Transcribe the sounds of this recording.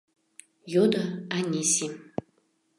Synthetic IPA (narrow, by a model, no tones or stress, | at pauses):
jod̪ɐanesim